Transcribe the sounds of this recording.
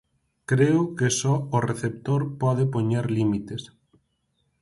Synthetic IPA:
kɾeʊkesɔoreθep̚t̪oɾpɔðepoɲeɾlimit̪es

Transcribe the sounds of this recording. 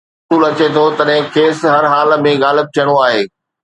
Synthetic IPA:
uːlɐt͡ɕet̪ʰot̪ɐɗɦɪ̃kʰeːsɦɐɾɦaːlmẽɣaːlɪb̚t̪ʰijəɽ̃oaːɦeː

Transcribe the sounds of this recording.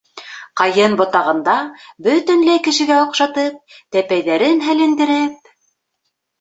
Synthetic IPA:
qɑjɤnbŏt̪ɑʁɤ̆nd̪ɑbɵ̆t̪ɘ̆nlæjkɘ̆ʃɘ̆ɡæŏqʃɑt̪ɤp̚t̪æpæjðæɾɘnɦælɘ̆nd̪ɘ̆ɾɘp̚

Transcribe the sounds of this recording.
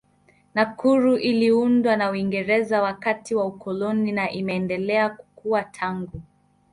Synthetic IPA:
nakuɾuʔiliundwanauiŋɡɛɾɛzawakatiwaukɔlɔninaʔimɛːndɛlɛaku̥kuwatʰaŋɡu

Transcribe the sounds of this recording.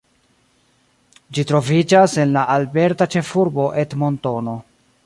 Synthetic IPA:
d͡ʒitɾo̞vid͡ʒase̞nlaʔalbe̞ɾtat͡ʃe̞fuɾbo̞ʔe̞tmo̞nto̞no̞

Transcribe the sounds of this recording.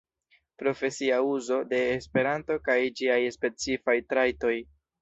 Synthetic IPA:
pɾo̞fe̞siauzo̞de̞ːspe̞ɾanto̞kajd͡ʒiajspe̞t͡sifajtɾajto̞j

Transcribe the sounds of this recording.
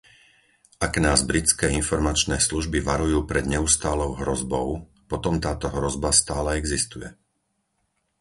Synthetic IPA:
ʔaɡnaːzbɾit͡skɛːinfɔɾmat͡ʃnɛːsluʒbiʋaɾujuːpɾɛd̪ɲɛust̪aːlɔʊɦɾɔzbɔʊ | pɔt̪ɔmt̪aːt̪ɔɦɾɔzbast̪aːlɛɛɡzist̪ujɛ

